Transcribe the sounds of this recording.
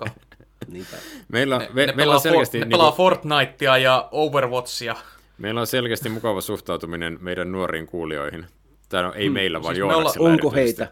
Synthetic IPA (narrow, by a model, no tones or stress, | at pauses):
nmeilːæmeeeilːselkæst̪inlɑɑfort̪nɑit̪ːiɑjɑouʋerʋot̪siɑ | meilæonselkæst̪imukɑʋɑsuht̪ɑuwt̪uminenmeidænnuoriːŋkuːlio̰ihin | t̪æːno̰ʔeimeilːæʋɑ̰ːnjoolsiloŋkoheit̪æ